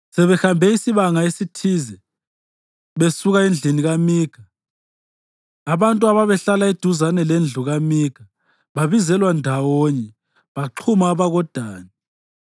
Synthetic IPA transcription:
sɛβɛxambʱɛisiβaŋaesitʰizɛ | βesuɣaind͡ɮʱiniɣamiːɡ̥ʱa | βantʼuaβaβɛɬalaed̥ʱuzanɛlend͡ɮʱuɣamiːɡ̥ʱa | βaβizɛlwandʱawoɲɛ | βaǃʰumaːβaɣɔd̥ʱaːni

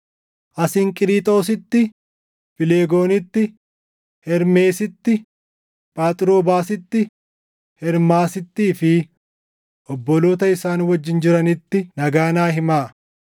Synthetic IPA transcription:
ʔɐsɪːŋkʼɪɾiːt̪ʼo̞ːs̬ɪt̪ːɪ | fɪleːɡo̞ːnɪt̪ːɪ | hɛɾme̞ːsɪt̪ːɪ | pʼaːt̪ʼɪɾo̞ːbaːsɪt̪ːɪ | hɛɾmaːsɪt̪ːiːfɪ | ʔɔbːɔloːt̪ɐɪsaːnwɐd͡ʒːɪnd͡ʒɪɾɐnɪt̪ːɪnɐɡaːnaːɦɪmaː

